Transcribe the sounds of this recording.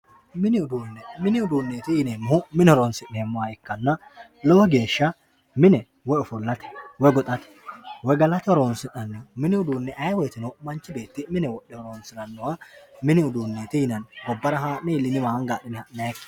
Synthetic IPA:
mɪnɪʊd̪uːnːɛmɪnɪʊd̪uːnːeːt̪ɪjɪneːmːʊmɪnɪhɔɾonsɪneːmːɔwɐɪkːɐnːɐ | lɔɔɡe̞ːʃːɐ | mɪnɛ | wɔjɔfʊlːɐt̪ɛ̥wɔjɡɔt̪ʼɐt̪ɛ̥wɔjɡɐlɐt̪ɛɔɾoːnsɪnɐnːɔmɪnɪʊd̪uːnːɛʔɐjwɛt̪ɪnɔmɐnt͡ʃːɪbe̞ːt̪ːɪmɪnɛwɔɗːɛhɔɾoːnsɪnɐnːɔwamɪnɪʊd̪uːnːeːt̪ɪjɪnɐnɡɔbːɐɾɐɦaːnɛɪlːɪnɪmaːŋɡaːɗɪnɛhɐnɐkː

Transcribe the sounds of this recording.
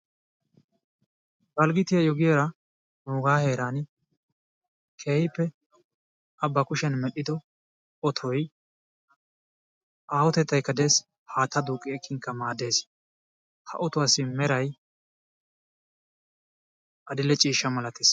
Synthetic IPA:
bɐlɡɪt̪ɪjɐjɔɡɪjɛːɾɐ | nuːɡaːhe̞ːɾaːn | kʰeːhɪpːɛ | ɐbːɐkʊʃɛnmɛɗɪd̪ɔ | ɔt̪ʰɔj | ʔaːwɔt̪ɛt̪ːɐjkːɐd̪eːs | haːt̪ːɐd̪uːkʼːɪɛkːɪŋkːɐmaːd̪e̞ːs | hɐ̰ʔɔt̪ʊwasɪmɛɾɐj | ʔɐd̪ɪlːɛt͡ʃʼiːʃːɐmɐlɐt̪eːs

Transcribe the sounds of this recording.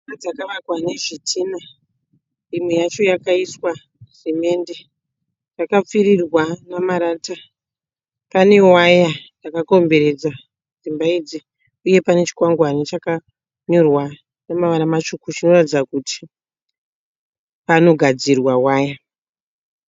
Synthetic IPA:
iad͡zakaʋakwane̞ʐitʰina | imwejat͡ʃo̞jakaiswa | rime̞nde̞ | jakap͡firirwanamaɾaːta | pane̞wajajakako̞mbe̞ɾed͡za | d͡zimbaid͡zi | uje̞pane̞t͡ʃi̥kwaŋɡwanit͡ʃaka | ɲorwa | nemaʋanamat͡ʃukut͡ʃino̞ratid͡zakuti̥ | pano̞ɡʱad͡zirwawaːja

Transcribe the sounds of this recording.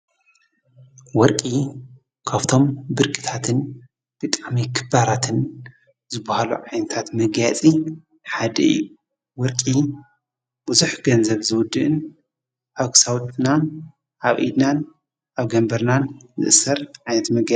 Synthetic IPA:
wɔɾkʼi | kʰaβt̪ʰo̞mbɨɾkʼi̥t̪ʰat̪ʰɨn | b̥ɨt̪ʼaʕmikʰɨbaɾat̪ʰɨn | zɨbahalṵʕajnɐt̪ʰat̪mɐɡjat͡sʼi | ħad̪ɐ̰ɨ̰jːu | wɔɾkʼi | b̥ɨzuħɡɐnzɐβzɨwʊd̪ːɨʔɨn | ʔaβkʰɨ̥saw̪ʼnan | ʔaβʔḭd̪nan | ʔaβɡɐmbɐɾnanzɨ̰ʔɨsɐɾʕajnɐt̪mɐɡja

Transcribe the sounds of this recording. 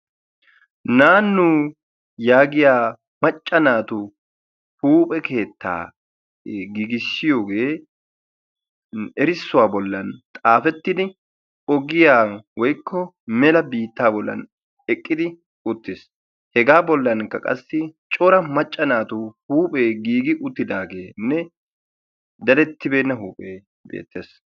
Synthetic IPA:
naːnːuː | jaːɡɪjaː | mɐt͡ʃʼːɐnaːt̪ʊ | huːpʼɛkʰe̞ːt̪ːa̰ː | ɡiɡɪsːɪjoːɡeː | ɛɾɪsːʊwaːbɔlːɐnt̪ʼaːfɛt̪ːɪd̪ɪ | ɔɡɪjaːwɔjkʰːɔ | mɛlɐbiːt̪ːaːbɔlːɐ̰n | ɛkʼːɪd̪ɪ | ʊt̪ːeːs | hɛɡaːbɔlːɐnkːɐkʼɐ̰sːɪt͡ʃʼɔɾɐmɐt͡ʃʼːɐnaːt̪ʊhuːpʼe̞ːɡiːɡɪʔʊt̪ːɪd̪aːɡe̞ːnːɛ | d̪ɐlɛt̪ːɪbe̞ːnːɐɦuːpʼeː | bḛːt̪ʰːeːs

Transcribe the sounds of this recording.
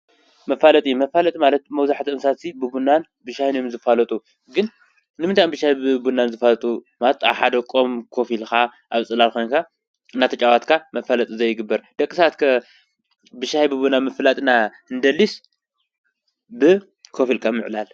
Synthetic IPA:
mɐfalɐt̪ʼijmɐfalɐt̪ʼimalɐt̪̚mɐwzaħt̪ʰiʔɨmsasibɨbunːan | bɨʃahnjomzɨfalɐt̪ʼu | ɡɨn | nɨmɨnt̪ʰajmbɨʃahjbɨbunːanzɨfalɐt̪ʼumalɐt̪a̰βħad̪ɐkʼo̞mkʰo̞filkaʔaβt͡sʼɨlalkʰo̞jnkʰa | ɨnːat̪ʰɐt͡ʃʼawat̪kʰamɐfalɐt̪ʼizɐjːɪɡɨbːɐɾd̪̥ɐkʼɨsat̪kʰɐ | bɨʃahjbɨbunamɨflat̪ʼɨna | ɨnd̪ɐlːis | bɨ | kʰo̞filkʰamɨʕlal

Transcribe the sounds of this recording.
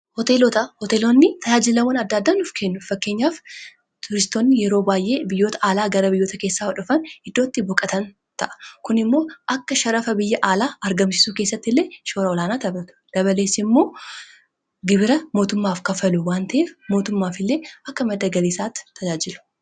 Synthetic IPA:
hɔt̪elɔt̪ɐhɔt̪eːlonːɪt̪ʰɐd͡ʒaːd͡ʒɪlɐwɐnɐd̪ːaːd̪ːaːnʊfkenːʊfɐkːe̞ːɲːaːf | t̪ʊɾɪst̪oːnːɪjɛɾo̞ːbaːjʔe̞ːbɪjːo̞ːt̪ɐ̥ʔaːlaːɡɐɾɐbɪjːo̞ːt̪ɐke̞ːsːaːwɐᶑʊfɐnhɪd̪ːoːt̪ːɪbɔkʼɐt̪ɐn | t̪ɐʔɐ̥kʊnɪmːo̞ːʔɐkːɐʃɐɾɐfɐbɪjːɐʔaːlaːɐɾɡɐmsɪ̥suːke̞ːsːɐt̪ːɪlːe̞ːʃo̞ːɾɐɔlaːnaːt̪ɐbɾɐt̪ʊ̥d̪̥ɐβɐle̞ːsːɪmːo̞ː | ɡɪbɪɾɐmo̞ːt̪ʊmːaːfkɐfɐlʊwaːnt̪ɐʔeːfmo̞ːt̪ʊmːaːfɪlːe̞ːɐkːɐmɐd̪ɐɡɐliːsaːt̪ːɪ̥t̪ʰːɐd͡ʒaːd͡ʒɪlʊ̥

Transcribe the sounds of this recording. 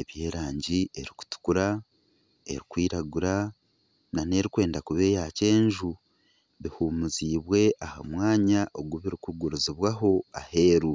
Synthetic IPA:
e̞βje̞ːɾaːɲɟie̞ɾiku̥tu̥kuɾa | e̞̰ɾikwiːɾaɡuɾa | nane̞ɾikwe̞ːndakuβe̞ːjace̞ːɲʒu | βihuːmuziːβwe̞ʔahamwaːɲaʔoɡwuβiɾikuɡuɾuziβwaɦo̞ahe̞ːɾu

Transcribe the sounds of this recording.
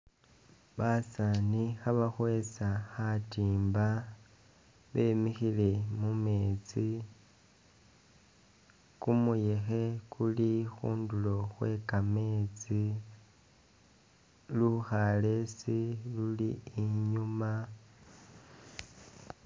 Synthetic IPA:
βasanixaβaxwe̞saxatiːmba | βe̞ːmixile̞mume̞ːt͡si | kumuje̞xe̞kʰulixuːndulo̞xwe̞kame̞ːt͡si | luxale̞siluliːɲuma

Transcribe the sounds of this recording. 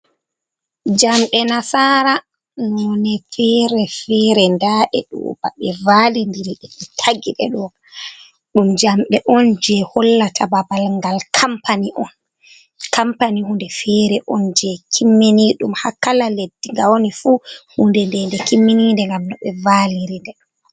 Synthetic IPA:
d͡ʒamɗɛnasaːɾa | nɔnɛfɛɾɛfɛɾɛndaːʔɛ̰ɗṵba̰ɓɛvalindiɾiɗɛɓitʰaɡiɗɛ̰ɗɔɡa | ɗumd͡ʒamɓɛʔɔnd͡ʒɛhɔlːatʰababalŋɡalkʰampaniʔɔn | kʰampanihundɛfɛɾɛʔɔnd͡ʒɛkʰimːiniɗumhakalaledːiŋɡawonifuhundɛndɛndɛkimːinindɛŋɡamnɔɓɛvaliɾindɛɗ

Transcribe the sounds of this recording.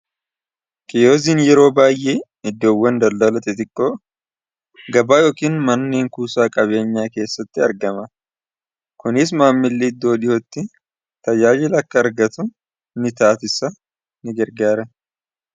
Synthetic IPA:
kɪjo̞ːziːnjɛɾo̞ːbaːjʔeː | ɪd̪ːo̞ːwːɐnd̪ɐld̪ɐlɐt̪ɛt̪ɪkʼːoː | ɡɐbaːjo̞ːkiːnmɐnːeːŋkuːsaːkʼɐβe̞ːɲːaːke̞ːsːɐt̪ːɪɐ̰ɾɡɐmɐ | kʊnɪs̬maːmːɪlːiɪd̪ːo̞ːᶑɪhot̪ːɪ | t̪ɐjaːd͡ʒɪlɐkːɐːɾɡɐt̪ʊ | nɪt̪aːt̪ɪsɐ | nɪɡɛɾɡaːɾɐ

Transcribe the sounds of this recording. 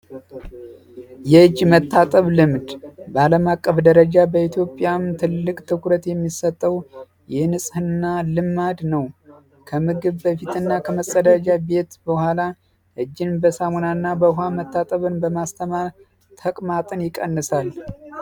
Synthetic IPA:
jɛɨd͡ʒmət̪ʰːat̪ʼəβlɨmd̪bəaləmakʼːəfd̪əɾəd͡ʒabəit̪ʰjo̞pʼːjamt̪ʰɨlːɨkʼt̪ʰɨkʰɾət̪jɛmːisət̪ʼːəw | jɛnɨsʼhɨnːalɨmːad̪nəw | kʰəmɨɡɨβbəfit̪ʰɨnːakʰəməsʼəd̪ad͡ʒabe̞t̪bəhʷala | ʔɨd͡ʒːɨnbəsamonanːabəɦamət̪ːat̪ʼəβɨnbəmast̪ʰəmaɾ | t̪ʰəkʼmat̪ʼɨnjɪkʼənːɨsal

